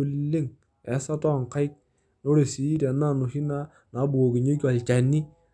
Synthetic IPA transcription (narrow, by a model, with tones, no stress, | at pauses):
u˨lːe˦ŋ | ɛ˨˦sa˦ta˦˨ŋka˦ɪ˦k̚ | no˦ɾe˨si˨˦ɾa˨na˦˨no˨hi˦na˦ | na˨˦bu˨o˨ɡi˨ɲe˦k̬a˨lt͡ʃa˨ni˦